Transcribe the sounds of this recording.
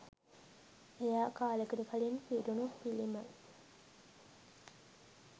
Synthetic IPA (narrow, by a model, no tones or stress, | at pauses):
ejaːkaːləkəɾukɐlinpiɾunupilimə